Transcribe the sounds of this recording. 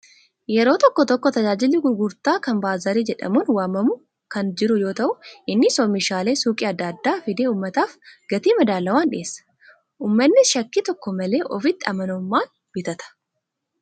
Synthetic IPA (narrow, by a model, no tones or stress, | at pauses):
jɛɾo̞ːt̪ɔkːɔt̪ɔkːɔt̪ɐd͡ʒaːd͡ʒɪlːɪɡʊɾɡʊɾt̪aːkɐmbaːzɐɾiːd͡ʒɛᶑɐ̰muːnwaːmːɐmʊ | kɐnd͡ʒɪɾʊjo̞ːt̪ɐʔʊʔɪnːɪsɔmɪʃaːle̞ːsuːkʼɪɐd̪ːɐd̪ːaːfɪd̪eːuːmːɐt̪aːfɡ̥ɐt̪iːmɐd̪aːlːɐwaːnᶑɪ̰ʔeːsːɐ̥ | ʔuːmːɐnːɪʃɐkːit̪ɔkːɔmɐle̞ːʔɔfɪt̪ːɪɐmɐnɔmːaːn | b̥ɪt̪ɐt̪ɐ̥